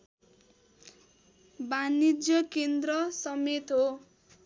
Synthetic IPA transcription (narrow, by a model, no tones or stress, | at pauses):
banid͡zjʌkend̪rʌsʌmet̪ɦo